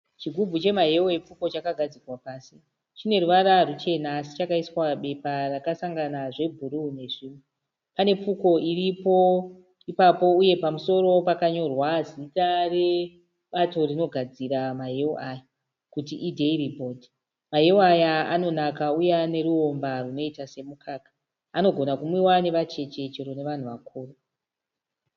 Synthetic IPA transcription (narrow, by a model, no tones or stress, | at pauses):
t͡ʃiɡʱub͡vʱut͡ʃe̞maɦe̞oep͡fuko̞t͡ʃakaɡʱad͡zirwapaːsi | t͡ʃine̞ruʋaɾarut͡ʃe̞naːsi̥t͡ʃakaiswaɓe̞parakasaŋɡanaʐe̞bʱuɾune̞ʐiːmwe | pane̞p͡fuko̞iripo̞ | ipapo̞uje̞pamuso̞ro̞pakaɲo̞rwazitare̞ | ɓato̞rino̞ɡʱad͡ziɾamaɦeoʔaja | kutiʔidʱeiribʱo̞dʱi | maɦeoajaano̞nakaujane̞ɾuo̞mbaruno̞itase̞mukʰaːkḁː | no̞ɡʱo̞nakumuiwane̞ʋat͡ʃe̞t͡ʃe̞t͡ʃeɾo̞ne̞ʋan̤uʋakʰuːro